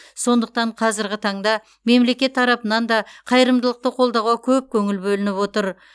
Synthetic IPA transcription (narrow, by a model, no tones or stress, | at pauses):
so̞nd̪əq̚t̪ɑɴqʰɑzɪɾɡʲɪt̪ʰɑɴd̪ɑ | me̞mle̞kʲe̞t̪ʰːɑɾɑpənɑnd̪ɑqʰɑjəɾəmd̪əlˠəq̚t̪əqʰo̞lˠd̪ɑʁɑkʲʰɵp̚kʲʰɵŋɪlbɵlɪnɪpwo̞t̪əɾ